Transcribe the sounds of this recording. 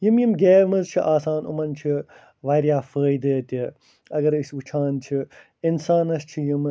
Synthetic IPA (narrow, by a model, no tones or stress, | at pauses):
jimjimɡeːmɨzt͡ʃʰiʔaːsaːnṵmɐnt͡ʃʰi | ʋɐɾjaːfəːjd̪əːt̪ʲi | ɐɡɐɾɨsʋɨt͡ʃʰaːnt͡ʃʰi | insaːnɐst͡ʃʰijim